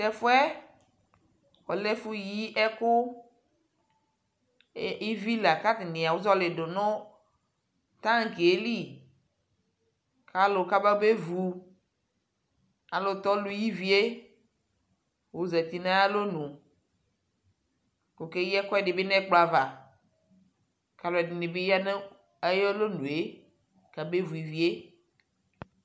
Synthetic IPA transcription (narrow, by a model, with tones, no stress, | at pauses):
tɛ˨fo˦ɛ˦ | wɔ˨lɛ˦fu˦ji˦ʔɛ˦kʊ˦ | i˦vi˦la˨ka˦t̪ɪ˨nẽ˨a˨wo˦zɔ˦le˨do˨nʊ̃˦ | t̪ã˦ŋ˨ke˨˦li˦˨ | ka˦lo˨ka˦ba˦be˦vu˨ | a˨lo˦t̪ɔ˦lu˦ji˦vi˦e˦ | wo˨ze˨t̪i˨nã˦a˦lo˦nũ˨ | ko˨ke˦jɛ˦kɔ˦ɛ˦˨ɖe˨be˦nɛ̃˦k͡pla˨va˨ | ka˦lo˨˦ɛ˨di˨nẽ˨be˦ja˦ne˦ | e˦jɔ˦lo˦nũ˨e˦ | ka˨be˦vu˨i˨vi˦e˦